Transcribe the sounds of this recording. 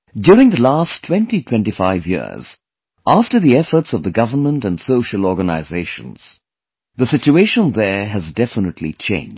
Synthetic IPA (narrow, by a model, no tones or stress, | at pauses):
djʊɹɪ̃ŋðəlæstʰw̥ɛ̃ntitʰw̥ɛ̃ntifaɪvjɪ̰ɹz̥ | ʔæftə˞ðiɛfə˞tsʌvðɨɡʌvə˞mə̃ntɨ̃ndsoʊʃəlˠɔɹɡəna̰ɪzeɪʃə̰̃nz̥ | ðɨsɪt͡ʃueɪʃə̃nðə˞ɨzdɛfənətʰˡlḭt͡ʃʰḛ̃ɪ̃nd͡ʒ